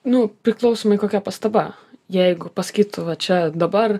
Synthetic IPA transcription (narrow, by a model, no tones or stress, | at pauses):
nʊpʲɾʲɪklˠɐʊsoːmɐɪkoːkʲɛpɐst̪ɐbɐ | jɛɪɡʊpɐsɐ̥kʲiːt̪ʊʋɐt͡ʃʲɛd̪ɐbɐr